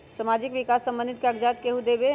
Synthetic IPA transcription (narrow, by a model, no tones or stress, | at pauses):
samaːd͡ʒɪkʋɪkaːsːə̃mbənd̪ɪt̪kaəɡd͡ʒaːt̪keɦud̪eːbe